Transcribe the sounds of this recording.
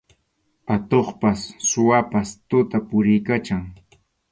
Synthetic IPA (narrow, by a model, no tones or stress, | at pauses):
pat̪oχpasːʊwapast̪ʊt̪apʊɾɪjkat͡ʃaŋ